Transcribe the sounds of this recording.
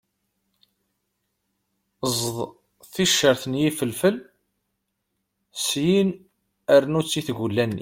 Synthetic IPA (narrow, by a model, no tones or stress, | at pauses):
zˤðˤ | θiʃːəɾθnjifəlfəl | sjin | əɾnut͡sːiθɡulːænːḭ